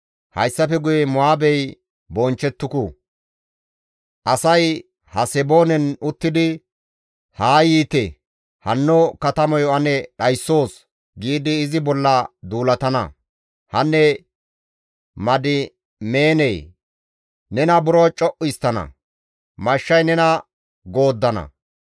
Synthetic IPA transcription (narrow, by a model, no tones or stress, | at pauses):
hɐ̰jsːɐfɛɡʊjɛmʊaːbɛj | bɔnt͡ʃːɛt̪ːʊkʊ | ʔɐsɐj | hɐsɛbo̞ːnɛnʊt̪ːɪd̪ɪ | haːjiːt̪ɛ | hɐnːɔkɐt̪ɐmɔjɔɐnɛɗɐjsːo̞ːs | ɡiːd̪ɪːzɪbɔlːɐd̪uːlɐt̪ɐnɐ̰ | hɐnːɛ | mɐd̪ɪ | me̞ːnɛj | nɛnɐbʊɾɔt͡ʃʼɔʔɪjst̪ːɐnɐ̰ | mɐʃːɐjnɛnɐ | ɡo̞ːd̪ːɐnɐ̰